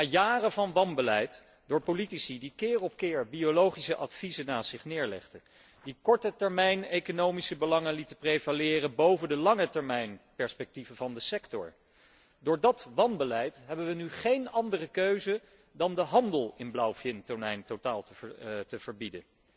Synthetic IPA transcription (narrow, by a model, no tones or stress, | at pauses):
ajaːrəvɑnʋɑnbəlɛjt | d̥ʊːɹpolitisidikɪːrɔp̚kɪːɹbiolowχisəʔɑtfizənaːsɪχnɪːɹlɛ̰χdə | dikɔɹtətɛɹmɛjnejkonowmisəbəlɑŋənlitəprejvalɪːrənbowvəndəlɑŋətɛɹmɛjnpɛɹspɛk̚tivəvɑndəsɛktɔ̰ɹ | dʊːɹdɑtʋɑnbəlɛjtɦɛbəʋənyχejnɑndərəkøɥzə | dɑndəɦɑndəlˠɪnblawfɪntɔnɛjntotaːlˠtətəv̥əɹbidən